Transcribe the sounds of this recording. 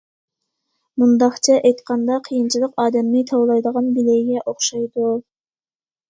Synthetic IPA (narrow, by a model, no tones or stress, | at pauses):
mund̪ɑχt͡ʃʰɛʔɛjt̪qʰɑnd̪ɑqʰijint͡ʃʰilˠəqɑːd̪ɛmnɪt̪ʰɑwlˠɑjd̪əʁɑnbilejɡʲɛʔoχʃɑjd̪u